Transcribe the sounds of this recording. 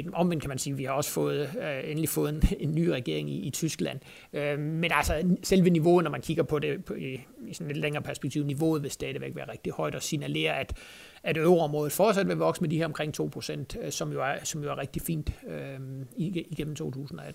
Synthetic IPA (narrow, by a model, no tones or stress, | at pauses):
ɒ̽mʋend̥kʰæmænsiːʋihɑ̈ɒ̽sə̥fɔ̽ːð̞̩ˠøenəlifɔ̽ːð̞̩ˠe̝nːy̰ːʁɛɡ̥e̝ɐ̰e̝ŋiːt͡sʰysɡ̥læn̰ | ømenælsɒselʋəniʋo̝ːð̩ˠnɒmænkʰiɡ̥ɐpʰɒ̽de̝pʰiisɒ̽nle̝d̥leŋɐːpʰæɐsb̥e̥ɡ̥̚t͡sʰḭʊ̰niʋo̝̰ːð̩ˠʋe̝sd̥ɛːð̞̩ˠʋeɡ̥ʋæːɐʁeɡ̥̚d̥ihɒ̽ɪd̥ɒ̽sinæle̝̰ːɐæd̥ | æɾ̥øʊʁɒ̽mʁɔ̽ːðð̩ˠfɒːd̥sæd̥ʋe̝ʋɒ̽ɡ̥smed̥ihæɐɒmkʰʁeŋ̰t͡sʰo̝̰ːpʰʁo̝sen̰d̥sɒ̽mjo̝æɐsɒ̽mjoæɐʁeɡ̥̚d̥ifḭːnd̥øiiɡ̥em̰m̩t͡sʰo̝̰ːt͡sʰṵːsn̩ɒ̽ed̥̩